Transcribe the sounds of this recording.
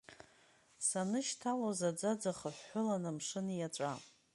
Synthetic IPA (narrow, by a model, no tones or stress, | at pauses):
sanɨʃtʰalozad͡zad͡zaχəħːʊlanamʂɨnjaʈ͡ʂʷʼa